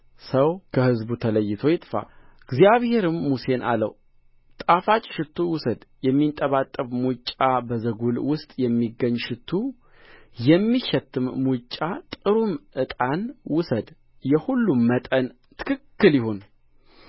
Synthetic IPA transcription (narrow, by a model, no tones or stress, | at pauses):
səwkʰəhɨzbut̪ʰələjːɪt̪ʰo̞jɪt̪ʼfa̰ɡzijaβhe̞ɾɨmːuse̞nʔa̰lə̰w | t̪ʼafat͡ʃʼʃɪt̪ʰːuwʊsəd̪jɛmːint̪ʼːəβat̪ʼːəβmut͡ʃʼːabəzəɡulwʊst̪ʼjɛmːiɡːəɲːʃɪt̪ʰːu | jɛmːiʃɛt̪ʰːɨmmut͡ʃʼːat̪ʼɨɾumʔɨt̪ʼanwʊsəd̪ | jɛhulːumːət̪ʼən | t̪ʰɨ̥kʰɨkːɨljɪhon